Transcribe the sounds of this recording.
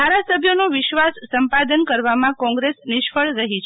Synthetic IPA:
d̪ʱaɾasəbʱjonuʋɪʃʋasːəmpad̪ənkəɾʋamãkɔ̃ŋɡɾesnɪʃfəɭɾəɦit͡ʃʰ

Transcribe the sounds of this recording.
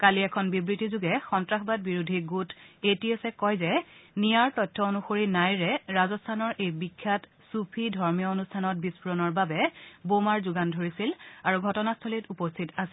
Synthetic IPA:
kaliɛkʰɔnbibɹitizuɡɛxɔntɹaxʰbad̚biɹudʱiɡutʰetiesɛkɔjzɛnijaɹtɔjtʰːɔonuxoɹinajɹɛɹazɔstʰanɔɹejbikʰːat | supʰidʱɔɹmijɔonustʰanɔt̚bispuɹɔnɔɹbabɛbomaɹzuɡandʱoɹisilaɹuɡʱɔtɔnastʰolitupɔstʰitasɛ̥

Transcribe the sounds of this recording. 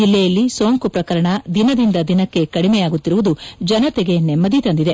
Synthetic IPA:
d͡ʒilːɛjɐlːiso̞ːŋkupɾɐkɐɾɐɳɐd̪inɐd̪ind̪ɐd̪inɐkːe̞kɐɽimɛjaːɡut̪ːiɾuʋud̪ud͡ʒɐnɐt̪eɡe̞nɛmːɐd̪it̪ɐnd̪id̪e̞

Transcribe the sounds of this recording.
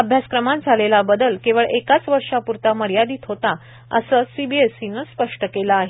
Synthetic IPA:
əbʱjaskɾəmat̪̚d͡zʱalelabəd̪əlkeʋəɭekat͡sʋəɾʂapuɾt̪aməɾjad̪iːt̪ɦot̪a | ə̰səsibiesinəspəʂʈəkelaːɦe

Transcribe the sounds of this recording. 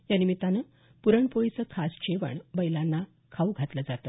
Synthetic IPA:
janimit̪anə | puɾəɳpojisəkʰast͡ɕeʋə̰ɳbəjlanːa | kʰauɡʱat̪ləd͡zat̪ə

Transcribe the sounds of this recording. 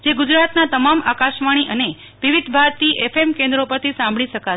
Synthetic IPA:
d͡ʒeɡud͡ʒɾat̪nat̪əmamakaʃʋaɽ̃iʔəne | ʋiʋid̪ʱbʱaɾt̪iʔɛfemkẽnd̪ɾopəɾt̪ʰisãmbɭiʃəka

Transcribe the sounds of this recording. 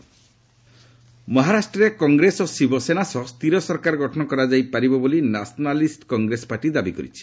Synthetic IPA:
mɔɦaɾasʈɾɔɾekɔŋɡɾesɔsibɔsenasɔst̪ʰiɾɔsɔɾkaɾɔɡʱɔʈʰɔnɔkɔɾad͡ʒajpaɾibɔbolinasɔnalisʈkɔŋɡɾesɔ̥paɾʈid̪abikɔɾḭt͡ʃʰi̥

